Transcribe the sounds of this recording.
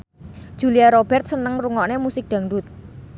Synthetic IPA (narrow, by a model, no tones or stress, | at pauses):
d̥ʒ̥ṳliaɾob̥ɛrt̪̚sənəŋruŋɔʔnemusɪk̚ɖ̥a̤ŋɖut̪̚